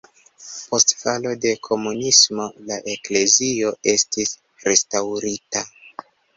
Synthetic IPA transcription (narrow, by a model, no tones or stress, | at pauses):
po̞stfalo̞de̞kʰo̞munismo̞laʔe̞kle̞zio̞e̞stis | ɾe̞stawɾita